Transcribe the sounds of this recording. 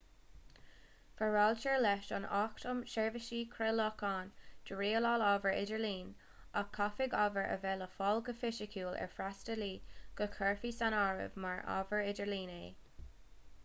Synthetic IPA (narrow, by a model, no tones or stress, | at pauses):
fəɹalt͡ʃɛɹlɛʃɑ̰naːktəmʃɛɹvəʃiːkʰɹɛlɔkaːnd̥əɹiːəlɑːlɑvəɹɪdəɹliːn | akʰːafɪɡavəɹə̰vɛːləfɔlɡəfɪʃəkʰuːlɛ̰ɹfɾastəliːɡ̥əkʰɛɹfiːsanaɹɪ̰vmaɹa̰ːvəɹɪdəɹliːneː